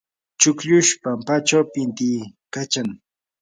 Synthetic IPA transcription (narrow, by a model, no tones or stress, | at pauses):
t͡ʃʊkʎʊʃpampat͡ʃawpɪnt̪ɪːkat͡ʃaŋ